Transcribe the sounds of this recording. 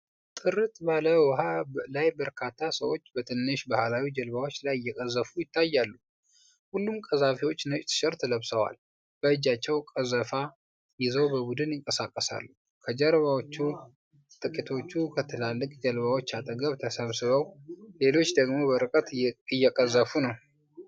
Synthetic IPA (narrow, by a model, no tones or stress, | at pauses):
t̪ʼɨɾɨt̪baləwɔɦalajbəɾkʰat̪ʰːasə̰wo̞t͡ʃːbət̪ʰɨnːɨʃbahlawid͡ʒəlβawot͡ʃːlajɪjːɛkʼəzːəfujɪt̪ʰːajːalːu | hulːumkʼəzafiwo̞t͡ʃːnət͡ʃʼt̪ʰɨ̥ʃɨɾt̪ʰələβsəwa̰l | b̥əɨd͡ʒat͡ʃːɛwkʼəzəfa | jɪzəwbəbud̪ɨnjɪŋkʼəsakʼːəsa̰lːu | kʰəd͡ʒəɾβawot͡ʃːu | t̪ʼɨkʼit̪ʰo̞t͡ʃːukʰət̪ʰɨlalːɨkʼd͡ʒəlbawo̞t͡ʃːat̪ʼəɡəβt̪ʰəsəβsɨβəwle̞lo̞t͡ʃːd̪əɡmo̞bəɾɨkʼət̪ɨjːɛkʼəzəfunəw